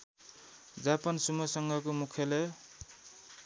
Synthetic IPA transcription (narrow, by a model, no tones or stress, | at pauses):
d͡zapʌnsumʌsʌŋɡʌkomukʰjʌle